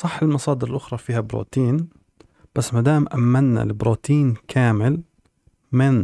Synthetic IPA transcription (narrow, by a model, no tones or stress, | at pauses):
sˤɑħːɪlmɑsˤɑːd̪ɪɾɪlʔʊxɾˤɑfiːhabɾṵːt̪iːn | b̥asːmad̪aːmʔamːanna̰lɪbɾuːt̪iːnkʰaːmɪl | mɪn